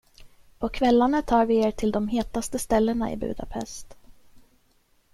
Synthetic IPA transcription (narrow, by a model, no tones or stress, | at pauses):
pʰɔkʰvɛlːanət̪ʰɑːɾvɪeːʈʰɪld̪ɔmɦeːt̪ast̪əst̪ɛlːəɳaʔɪ̰bʉ̟̰ːd̪a̰pʰɛ̰st̪